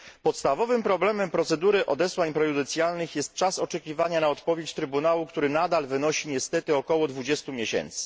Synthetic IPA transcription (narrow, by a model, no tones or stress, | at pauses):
pɔt̪st̪avɔvɘmpɾɔblɛmɛmpɾɔt̪sɛd̪uɾɘʔɔd̪ɛswaɲpɾɛzud̪ɛnt̪sʲjalnɘxjɛst̪̚t͡ʂasɔt͡ʂɛkʲivaɲanaɔt̪pɔvʲjet͡ɕt̪ɾɘbunawukt̪uɾɘnad̪alvɘnɔɕiɲɛst̪ɛt̪ɘɔkɔwɔd̪vud͡ʑɛst̪umʲjɛɕɛ̰nt̪sɘ̥